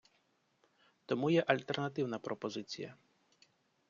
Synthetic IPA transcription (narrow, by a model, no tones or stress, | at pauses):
t̪ɔmujɛʔɐlʲt̪ɛrnɐt̪ɪwnɐpɾɔpɔzɪt͡sʲḭjɐ̰